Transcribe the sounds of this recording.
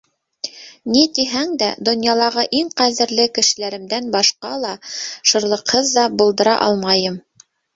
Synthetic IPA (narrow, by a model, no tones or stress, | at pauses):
nit̪iɦæŋd̪æd̪ŏnjɑlˠɑʁɤʔiŋqæðɘ̆ɾlɘkɘ̆ʃɘ̆læɾɘ̆md̪ænbɑʃqɑlˠɑʃɤ̆ɾlˠɤ̆qhɤðːɑbŭlˠd̪ɤ̆ɾɑʔɑlˠmɑjɤm